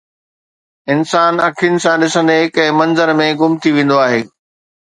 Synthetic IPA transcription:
ɪnsaːnɐkʰijʊnɪ̆sãɗɪsə̃nd̪eɦɪkɛ̃ːmɐ̃nzəɾmẽɡʊmt̪ʰiʋẽːn̆d̪oaːɦeː

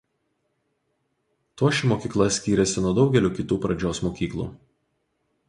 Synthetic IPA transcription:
t̪uɔʃʲɪmoːkʲiːklˠɐsʲkʲiːɾʲɛsʲɪnuɔd̪ɒʊɡʲɛlʲuːkʲɪt̪uːpɾɐd͡ʒʲoːsmoːkʲiːklˠṵː

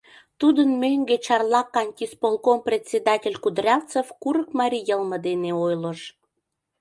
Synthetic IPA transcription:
t̪ud̪ənmøŋɡet͡ɕɑrlˠɑkɑnʲtʲispolˠkomprʲet̪ʲt͡sʲed̪ɑtʲelʲkud̪rʲɑlt͡sefkuɾəkmɑɾʲijəlmə̆d̪eneojləʃ

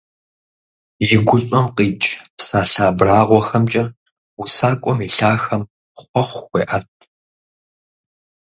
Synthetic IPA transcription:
ʒɪɡʷʊɕʼɔmqiːt͡ʃʼpsaːɬaːbraːʁʷɔxɐmt͡ʃʼɐ | wusaːkʷʼɔmiːɬaːxɐm | χʷɔχʷxʷḛːʔɐtʰ

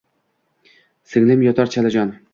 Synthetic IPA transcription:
sɪŋlɪmjɒt̪ʰɑɾt͡ʃʰalad͡ʒɒn

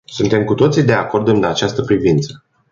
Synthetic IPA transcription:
sunt̪e̞mkut̪o̞t̪sid̪e̞ako̞rd̪ɨnd̪at͡ʃast̪əpɾivint̪sə̥

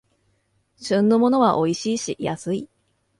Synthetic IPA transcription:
ɕɨ̃nːo̞mo̞no̞βaʔo̞iɕiːɕija̰sɨi

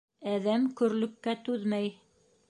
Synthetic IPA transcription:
æðæmkɵ̆ɾlɵ̆p̚kæt̪ʉðmæj

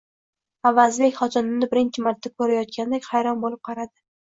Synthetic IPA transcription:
avazlɪkʲχɒt̪ʰanɪmnɪbɪɾɪnt͡ʃʰɪmaɾt̪ʰːakʰɵɾajɒt̪̚kʲand̪ekʲhajɾɒnbolɪp̚qʰɑɾad̪ɪ

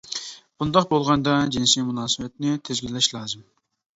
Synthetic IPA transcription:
b̥und̪ɑqbolˠʁɑnd̪ɑd͡ʒinsimunɑːsɨwɛt̪̚nɪt̪ʰezɡʲilːɛʃlˠɑːzɨm

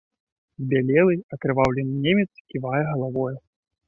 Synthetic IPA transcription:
zbʲalʲɛlˠɨjɐkɾɨvawlʲɛnɨnʲemʲɛt̪skʲivajɛɣɐlˠavɔjɛ

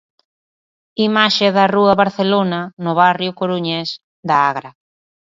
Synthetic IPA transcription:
imaʃeðɐruɐβaɾθelonɐnʊβarjʊkoɾuɲɛs | d̪aaɣɾa

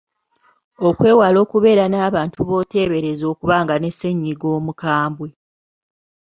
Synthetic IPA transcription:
okwe̞ːwalo̞ːkuβe̞ːɾanaːβaːntuβo̞te̞ːβe̞ɾe̞zo̞ːkuβaːŋɡane̞sːe̞ɲːiɡo̞ːmukaːmbwe

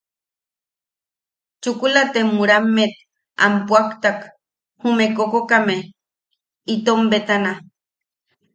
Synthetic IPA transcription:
t͡ʃukulat̪emuɾamːet̪̚ | a̰mpwakt̪ak | humekokokame | it̪ombet̪ana

